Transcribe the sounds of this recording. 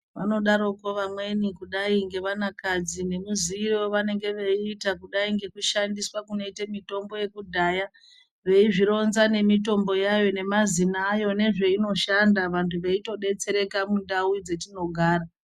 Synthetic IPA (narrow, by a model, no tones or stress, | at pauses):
ʋano̞ɗaɾo̞ko̞ʋamwe̞nikuɗaiŋɡe̞ʋanakad͡zine̞muziirewoʋane̞ŋɡe̞ʋe̞iːtakuɗaiŋɡe̞kuʃandiswakuno̞itemito̞mbo̞je̞kudʱaja | ʋe̞iʐiɾo̞nzane̞mito̞mbo̞jajo̞ne̞mazinaːjo̞ne̞ʐe̞ino̞ʃandaʋantʰuʋe̞ito̞ɗe̞t͡se̞ɾe̞kamundawid͡ze̞tino̞ɡʱaːɾa